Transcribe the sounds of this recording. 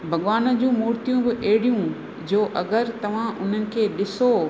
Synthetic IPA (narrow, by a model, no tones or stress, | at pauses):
bʱɐɠʋaːnəd͡ʑũːmuːɾt̪ijũbɪʔeːɪɽijũ | d͡ʑoːʔɐɡəɾt̪ɐʋ̤ãʔʊn̤ənɪ̆kʰeːɗɪso